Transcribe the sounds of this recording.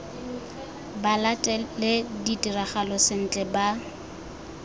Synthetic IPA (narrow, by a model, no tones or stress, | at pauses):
balatʼɛlɪditʼiraχalɔsɪn̩t͡ɬʼɛba